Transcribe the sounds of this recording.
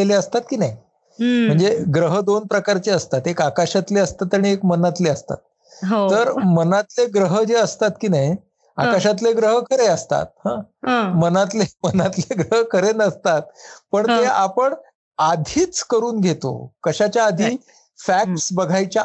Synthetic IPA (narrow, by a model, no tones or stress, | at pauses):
eleəst̪at̪̚kiːnaj | m̤əɳd͡zeɡɾəɦəd̪onpɾəkaɾt͡ɕeəst̪at̪ekakaɕat̪leəst̪at̪aɽ̃iekmənat̪leəst̪a̰t̪̚ | ɦoəɾmənat̪leɡɾəɦəd͡ʑeəst̪at̪kiːnaj | akaɕat̪̬leɡɾəɦəkʰəɾeəst̪a̰t̪̚hãmənat̪lemənat̪leɡɾəɦəkʰəɾenəst̪at̪̚pəɳt̪eapəɳ | ad̪ʱiːt͡skəɾuːnɡʱet̪o̰kəɕat͡ɕjaːd̪ʱiː | fæk̚ʈsbəɡʱajt͡ɕa